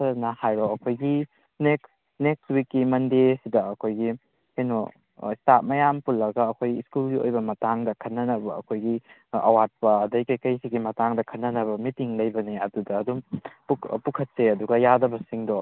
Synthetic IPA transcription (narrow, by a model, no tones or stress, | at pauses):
ɐnahajɾɔɐkʰojɡi | neks | nekswikːimɐndesidɐɐkʰojɡi | hejnɔ | istat̚mɐjampulːɐɡɐːkʰojɡiskulɡiojbɐmɐtaŋdɐkʰɐtnːɐnɐbɐɐ̰kʰojɡi | ɐ̰wat̚pɐːdɐjkɐjkɐjsiɡimɐtaŋdɐkʰɐtnːɐnɐbɐmitiŋlɐjbɐniɐdudɐːdumppukʰɐt̚seɐduɡɐjadɐbɐsiŋdɔ